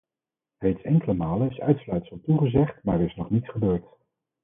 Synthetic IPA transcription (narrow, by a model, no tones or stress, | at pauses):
rejtsɛŋkələmaːlənɪsœ̰ɥtslœɥtsəmˠtuχəzɛχtma̰ːɹəɹɪsnɔχnitsχəbøːɹt